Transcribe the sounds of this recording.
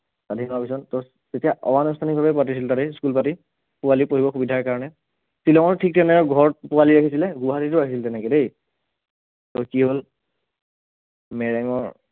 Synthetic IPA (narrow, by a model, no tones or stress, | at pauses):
sadʱinɔapis̬ɔntɔ | tetijaʔɔ̰wanɔstʰanik̚bʱabɛpʊatis̬iltatɛskulpati | pʊwalipoɦibɔxubidʱaɹkaɹɔnɛ | silɔŋɔɹtʰik̚tɛnɛɔɡʱɔɹpʊaliɹakʰisilɛɡuɦatitʊɹakʰisiltɛnɛkɛdej | tɔkiɦol | mɛɹɛŋɔɹ